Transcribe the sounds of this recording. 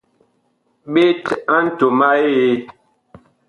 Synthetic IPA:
ɓe˦ta˦n̩˦to˨ma˦je˦

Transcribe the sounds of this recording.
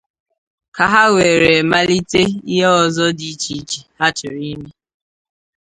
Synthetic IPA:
ka˨ɦa˦we˨ɾe˨ma˦li˦te˦i˦ɦe˦ɔ˨zɔ˦di˦t͡ʃi˨˦t͡ʃi˨ha˦t͡ʃɪ˨ɾi˦me˦

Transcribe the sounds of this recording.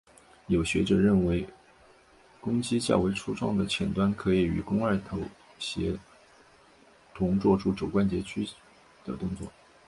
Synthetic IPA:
jo˨˩ʊɕɥɛ˧˥ʈ͡ʂɤ˨˩ɻə˥˩nwe˧˥ɪ | kʊ˥ŋt͡ɕi˥t͡ɕjɑ̰˥˩we˧˥ɪʈ͡ʂʰu˥ʈ͡ʂwɑ˥˩ŋd̪ə˨˩t͡ɕʰjɛ˨˩nt̪wa˥nkʰɤ˧˥i˨˩y̰˨˩kʊ˥ŋə˞˥˩t̪ʰo˧˥ʊ | ɕjɛ˧˥ | t̪ʰʊ˧˥ŋt͡swɔ˥˧ʈ͡ʂu˥˩ʈ͡ʂo˨˩ʊkwa˥nt͡ɕjɛ˧˥t͡ɕʰy˥ | d̪̥ə˨t̪ʊ˥˧ŋt͡swɔ˥˩

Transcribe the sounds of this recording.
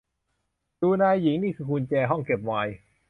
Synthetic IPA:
duː˧naː˧jːi˨˩˦ŋniː˥˩kʰɯː˧kʰu˧nt͡ɕɛː˧ɦɔ˥˩ŋke˨˩p̚waː˧j

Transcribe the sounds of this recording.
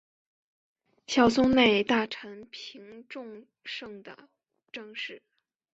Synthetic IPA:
ɕjɑ˥˨˩ʊsʊ˥ŋne˥˧ɪt̪a˥˩ʈ͡ʂʰə˧˥npʰi˧˥ŋʈ͡ʂʊ˥˧ŋ | ʂɤ˥˩ŋd̪ə̰˩ | ʈ͡ʂɤ˥˧ŋʂɻ̩˥˩

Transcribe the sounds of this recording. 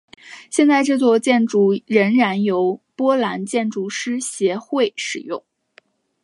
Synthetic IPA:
ɕjɛ˥˧nt͡sa˥˧ɪʈ͡ʂɤ˥˧t͡swɔ˥˧t͡ɕjɛ˥˧nʈ͡ʂu˥˩ɻə˧˥nɻa˧˥njo˧˥ʊpwɔ˥la˧˥nt͡ɕjɛ˥˩nʈ͡ʂu˥˩ʂɻ̩˥ɕjɛ˧˥xwe˥˩ɪʂɻ̩˨˩jʊ̰˥˩ŋ

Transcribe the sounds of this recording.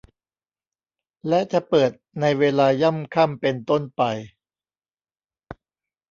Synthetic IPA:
lɛ˦˥ʔt͡ɕa˨˩pɤː˨˩t̪̚na˧jweː˧laː˧ja˥˩˨mkʰa˥˩mpe˧nt̪o˥˩npa˧j

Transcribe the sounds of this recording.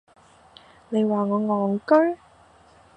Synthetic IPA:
ne˨˧jwaː˨˩ŋɔː˨˧ŋɔː˨˩ŋkɵ˥ɥ

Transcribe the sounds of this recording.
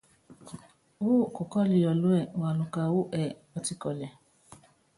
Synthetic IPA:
u˦˨ko˨kɔ˦li˨jɔ˨lo˦ɛ˦˨wa˨lu˧ka˧wu˦ʔɛ˨ | ɔ˧ti˧kɔ˨lɛ˨

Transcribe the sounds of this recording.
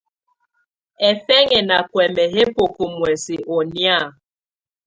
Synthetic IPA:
ɛ˨fɛ˦ŋɛ˨na˨kwɛ˨mɛ˨ɦe˦po˨ko˨mwɛ˨si˨ʔo˨nja˦˨

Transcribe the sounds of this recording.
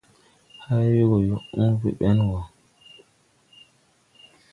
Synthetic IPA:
ha˦wi˦ɡo˨jo˨ʔũ˦vḭ˨ɓɛ˦nwa˨

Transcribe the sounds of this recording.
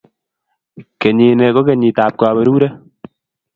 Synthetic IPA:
ke˨ɲiː˨ne˨ko˦ke˨ɲi˨taː˨p̚kwaː˨βe˨ɾuː˦ɾe˦

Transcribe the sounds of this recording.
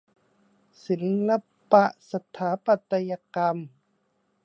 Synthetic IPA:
si˨˩˦nla˧ | pa˧ʔsa˧t̪ʰaː˨˩˦pa˧˨t̪ːa˧ja˧ka˧m

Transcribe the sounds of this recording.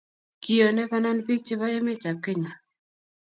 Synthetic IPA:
ki˨o˨nɛ˦pa˦na˦npi˦k̚t͡ʃɪ˦βa˦je˦mɪ˦t͡ʃa˨p̚ke˦ɲa˨

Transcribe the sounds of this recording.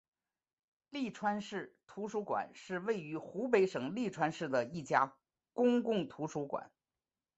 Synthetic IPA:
li˥˩ʈ͡ʂʰwa˥nʂɻ̩˥˩t̪ʰu˧˥ʂu˧˥kwa̰˨˩˦nʂɻ̩˥˧we˥˩ɪy˧˥xu˧˥pe˧˥ɪʂɤ˨˩ŋli˥˩ʈ͡ʂʰwa˥nʂɻ̩˥˩d̪ə˩i˥˩t͡ɕja˥ | kʊ˥ŋkʊ˥˩ŋt̪ʰu˧˥ʂu˧˥kwa̰˨˩˦n

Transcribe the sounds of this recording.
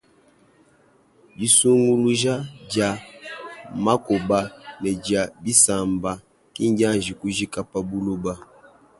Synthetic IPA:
bi˦su˦ŋɡu˦lu˦ʒa˦d͡ʒa˨ | ma˦ko˨ba˦nɛ˨d͡ʒa˨bi˦sa˨mba˨ | ki˦ŋ˦ɟa˦˨nʒi˨ku˦ʒi˦ka˦pa˦bu˦lu˦ba˦

